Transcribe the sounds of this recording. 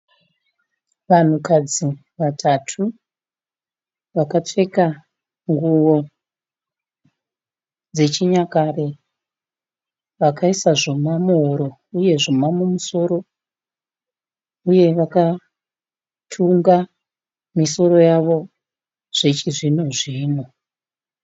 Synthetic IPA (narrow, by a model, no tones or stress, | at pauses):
ʋan̤ukad͡zi | ʋatʰatʰu | ʋakat͡ʂe̞ka | ŋɡuʋo̞ | d͡ze̞t͡ʃiɲakare̞ | ʋakʰaisaʐo̞mamuɦoɾo̞ | uje̞ʐomamumuso̞ɾo̞ | uje̞ʋaka | tʰuŋɡa | miso̞ɾo̞jaʋo̞ | ʐ̥et͡ʃiʐinoʐiːno